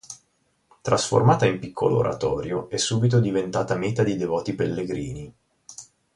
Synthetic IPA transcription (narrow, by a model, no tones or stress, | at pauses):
t̪ɾasfo̰rmaːt̪aimpikʰːoloo̰ɾʔa̰t̪ɔːɾjoɛsːuːbit̪̬od̪ivent̪aːt̪ameːt̪ad̪id̪evɔːt̪ipelːeɡɾiːni